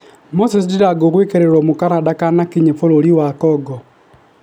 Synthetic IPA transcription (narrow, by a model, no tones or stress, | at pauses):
mosesidiɾaɡoɣwekeɾeɾomukaɾadakanakiɲefololiwakɔɡɔ